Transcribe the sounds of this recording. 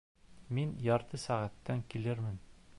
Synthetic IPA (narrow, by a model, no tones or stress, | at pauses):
minjɒɾt̪ɤsæʁæt̪ːæŋkilɘɾmɘn